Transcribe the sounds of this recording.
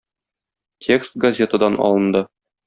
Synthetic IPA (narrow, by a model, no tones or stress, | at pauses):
tʲʰekst̪̚ɡɐzʲe̞t̪əd̪ɑnʔɒ̰lˠɤ̆nd̪ɤ